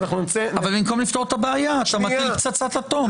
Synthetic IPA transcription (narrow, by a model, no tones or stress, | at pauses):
naχnunt͡seavalbimko̞mlift̪ot̪abeajatamailpt͡sat͡sat̪at̪om